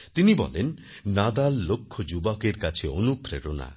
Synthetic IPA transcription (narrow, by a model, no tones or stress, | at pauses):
t̪inibɔ̰len | nad̪alːokʰːɔd͡ʒubakeɾkat͡ʃʰionupɾeɾona̰